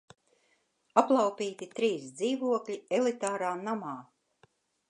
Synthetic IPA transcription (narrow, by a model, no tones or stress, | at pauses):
aplˠawpiːt̪it̪ɾiːsd̪ziːvuɔklʲiɛlit̪aːɾaːnamaː